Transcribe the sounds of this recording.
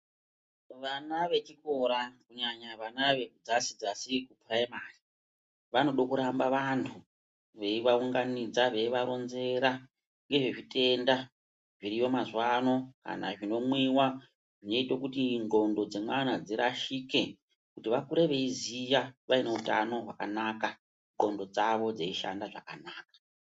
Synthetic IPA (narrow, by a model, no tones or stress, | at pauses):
ʋanaʋe̞t͡ʃiko̞ɾakuɲaɲaʋanaʋe̞kud͡zasid͡zasikupraimari | ʋano̞ɗokuɾambaʋantʰu | ʋe̞iʋauŋɡanid͡zaʋe̞iʋaɾo̞nze̞ɾa | ŋɡe̞ʐeʐite̞nda | ʐiɾijo̞mazwano̞ka̰na̰ʐino̞mwiwa | ʐino̞itekutiŋɡo̞ndo̞d͡zemwanad͡ziɾaʃike̞ | kutiʋakuɾeʋe̞izijaʋaine̞uta̰no̞ɦwaka̰naka | ŋɡo̞ndo̞d͡zaʋo̞d͡zeiʃa̰ndaʐa̰ka̰naːkḁ